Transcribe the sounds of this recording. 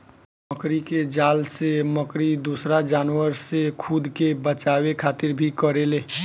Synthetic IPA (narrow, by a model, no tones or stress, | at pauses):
məkɾiked͡ʒaːlseməkɾid̪usɾad͡ʒaːnwəɾsekʰud̪kebət͡ʃaːwekʰaːt̪ɪɾbʱikəɾeleː